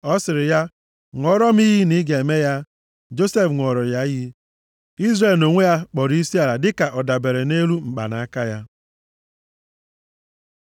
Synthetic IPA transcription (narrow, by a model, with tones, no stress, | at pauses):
ɔ˦sɪ˨ɾɪ˨ja˦ | ŋʷɔ˦ɾɔ˦m˦i˦ɦi˦ni˦ɡe˨me˦ja˦ | d͡ʒo˦se˦fŋʷɔ˨ɾɔ˨ja˦ji˦ | i˦zre˨lno˨ŋʷe˦ja˦k͡pɔ˨ɾi˦si˦a˨ɾa˨dɪ˦ka˨ʔɔ˨da˨be˨ɾe˨ne˦ɾu˦ŋ͡m̩˨k͡pa̰˨na˨a˦ka˦ja˦